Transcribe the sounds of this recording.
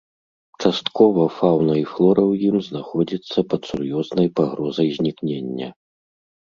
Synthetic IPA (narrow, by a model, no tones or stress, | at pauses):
t͡ʂast̪kɔvɐfawnɐiflˠɔɾɐwjimznaxɔd͡zʲit̪sːɐpɐt̪surjɔznɐjpaɣɾɔzɐjzʲnʲiknʲenʲːɐ̰